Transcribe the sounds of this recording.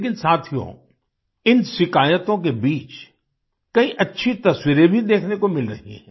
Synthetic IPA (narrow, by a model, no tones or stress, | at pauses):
kɪnsaːt̪ʰijõ̰ | ɪnsɪkaːjət̪õkebiːt͡ʃ | kɐiʔɐtːʃʰit̪ɐswiɾẽbʱid̪eːkʰnekomɪlɾɐɦḭɦɛ̰̃ː